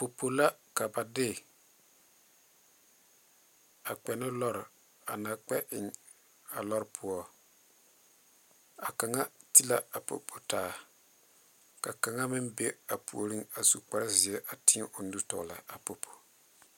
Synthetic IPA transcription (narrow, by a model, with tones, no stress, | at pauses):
po˨pʰo˨la˦ka˨ba˨dɪ˦ | a˨k͡pɛ˨nɪ˦lɔ˦ɾɪ˨ | a˨na˨k͡pɛ˦ʔɪ˨ŋ | a˨lɔ˦ɾpʰʊ˦ɔ˦ | a˨ka˨ŋa˦ti˦la˨a˨po̰˨pʰo˨taː˨ | ka˨ka˨ŋa˦mɪ˦mbe˦a˨pʰu˨o˨ɾi˦ŋa˨su˨k͡pa˦ɾɪ˦zɪ˨ɛ˦ʔa˨ti˦ʔʊ˨n˦du˦tɔ̰˨ɣla̰˨a˨po˨pʰo̥˨